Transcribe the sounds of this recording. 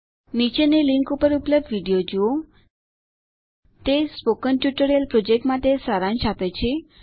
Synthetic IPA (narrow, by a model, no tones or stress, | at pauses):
nit͡ʃeneliŋkupəɾupləb̚ɖʋiɖijod͡ʒuo | t̪espokənʈjuʈəɾijəlpɾod͡ʒek̚ʈmãt̪esaɾãnʃapet͡ʃʰe